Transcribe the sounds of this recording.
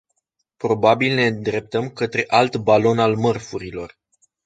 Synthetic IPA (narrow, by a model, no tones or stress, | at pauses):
pɾo̞babilne̞d̪ɾe̞p̚t̪əmkət̪ɾe̞ʔalt̪balo̞nalmərfuɾilo̞r